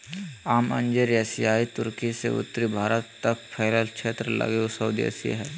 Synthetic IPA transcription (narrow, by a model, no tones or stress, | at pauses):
aːmɐ̰̃ɲd͡ʒəɾɛsijaːit̪ʊɾkisḛʊ̰t̪ːɾibʱaːɾət̪ːəkpʰɛːləlkʃeːt̪ɾəlɐ̰ɡeusəːd̪iḛsij̰ɦɛː